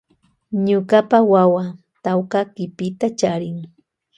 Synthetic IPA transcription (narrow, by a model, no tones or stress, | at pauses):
ɲʊɢapawawa | t̪awkakɪpɪt̪at͡ʃaɾɪŋ